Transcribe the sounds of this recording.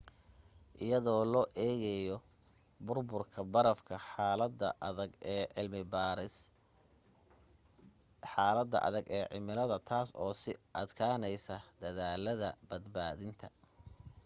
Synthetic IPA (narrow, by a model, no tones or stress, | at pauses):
ʔɪjɐðɔːlɔːʔɛːɣɛjɔ | bʊrbʊrkʰɐbɐɾɐfkʰɐħlɐd̪ɐɡʕɪlmɪbɾɪ | ħaːlɐd̪ːɐ̰ʔɐ̰ðɐɡɛːʕɪ̰mɪlɐðɐt̪ʰaːsɔːsɪʔɐd̪kʰaːnɛjsɐd̪ɐðaːlɐðɐbɐd̪baːðɪnt̪ʰɐ̥